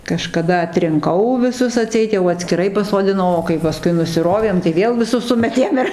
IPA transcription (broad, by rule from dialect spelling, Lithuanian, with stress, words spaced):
kɐʃkɐˈdɐ ɐtʲrʲɪŋˈkɐʊ ʋʲɪˈsʊs ɐˈtʲsʲɛɪt jɛʊ ɐtʲsʲkʲɪˈrɐɪ pɐsoːdʲɪˈnɐʊ oː kɐɪ pɐˈskʊɪ nʊsʲɪˈroːʋʲeːm tɐɪ ˈʋʲeːlˠ ʋʲɪˈsʊs ˈsʊmʲɛtʲeːm ɪr